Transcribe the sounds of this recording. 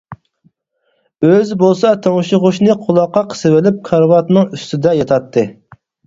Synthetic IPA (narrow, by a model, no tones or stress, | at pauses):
øzbolˠsɑt̪ʰoŋʃɪʁʊʃnɨqʰʊlˠɑqːɑqʰə̥sɨwɪlɪp̚kʰɑɾvɑt̪nɨŋyst̪ɪd̪ɛjɑt̪ʰɑt̪ʰːɨ